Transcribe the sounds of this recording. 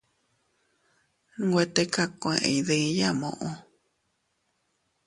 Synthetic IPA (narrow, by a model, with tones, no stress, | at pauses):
ŋɡʷe˧t̪e˧ka˦kʷõ˧ẽ˧˨ʔḛ̃˨ðɨ˧˦ja˦mõ̰˧ʔõ˧